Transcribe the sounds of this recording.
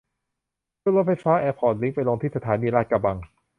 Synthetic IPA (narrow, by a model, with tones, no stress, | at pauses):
u˥˩˨lɔ˦˥a˧˥faː˦˥ʔɛː˧pʰɔː˨˩nli˦˥ŋpa˧jlo˧ŋt̪ʰiː˥˩sa˧t̪ʰaː˩˦niː˧laː˥˩t̪̚ka˧ba˧ŋ